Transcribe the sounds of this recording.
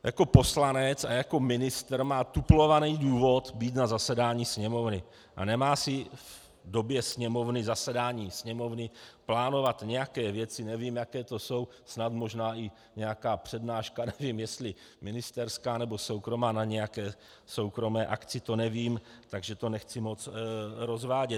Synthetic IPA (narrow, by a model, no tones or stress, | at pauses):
ja̰kopo̞slanɛt͡sajako̞mɪnɪst̪ɾmaːt̪uplo̞vaniːduːvo̞t̪biːt̪nazasɛdaːɲiːsɲɛmo̞vnɪ | ʔa̰nɛmaːsɪv | do̞bjɛsɲɛmo̞vnɪzasɛdaːɲiːsɲɛmo̞vnɪplaːno̞vat̪ɲɛjakɛːvjɛt͡sɪnɛviːmjakɛːt̪o̞so̞w | snat̪mo̞ʒnaːɪ | ɲɛjakaːpr̝̥ɛdnaːʃkanɛviːmjɛst̪lɪ | mɪnɪst̪ɛɾskaːnɛbo̞so̞wkɾo̞maːnaɲɛjakɛː | so̞wkɾo̞mɛːʔakt͡sɪt̪o̞nɛviːmt̪aɡʒɛt̪o̞nɛxt͡sɪmot͡sɾo̞zvaːɟɛt̪